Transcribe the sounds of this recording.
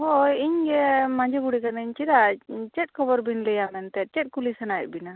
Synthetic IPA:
hojiɲɡɛmaɲd͡ʒeɡuɽikanəɲt͡ʃiɾat͡ʃɛt̚kʰɔbɔɾbinlɛjamɛnt̪ɛt̚t͡ʃɛt̚kulisənajt̪̚bina

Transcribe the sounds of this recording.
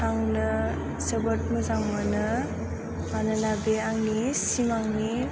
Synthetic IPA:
aŋnɯ | səbət̚məzaŋmɯnɯ | manɯlabeaŋnisimaŋni

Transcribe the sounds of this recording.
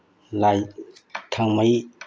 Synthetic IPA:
lajt̪ʰaŋmaj

